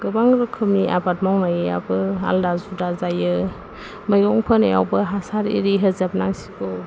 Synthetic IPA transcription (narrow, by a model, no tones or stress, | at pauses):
ɡ̥ɯbaŋɾɯkʰɯmniʔa̰bat̚mawnajɯja̰bɯa̰ldazudazajɯ | məjɡɔŋpʰɯnḛja̰wbɯɦasaɾḭɾiɦezap̚naŋsi̥kɔ